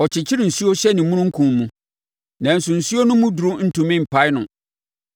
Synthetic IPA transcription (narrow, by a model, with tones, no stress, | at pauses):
ɔ˨t͡ɕʰɪ˨t͡ɕʰɪ˦ɾɪ˨n̩˨su˦o˦ɕɛ˦nɪ̃˨mʊ̃˦nʊ̃˦ŋ̩˦kʰũ˨m˦mũ˦ | nã˨n̩˨sʊ˨n̩˨su˦o˦nʊ̃˦mũ˦du˨ɾʊ̃˦n̩˦tũ˨mɪ̃˦m̩˨pʰa˦jnʊ̃˨